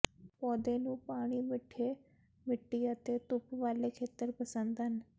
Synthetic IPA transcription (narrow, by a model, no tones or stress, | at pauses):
pɔːd̪enũːpaːɽ̃imɪʈʰe | mɪʈːiat̪et̪upʋaːlekʰeːt̪əɾpəsə̃nd̪ən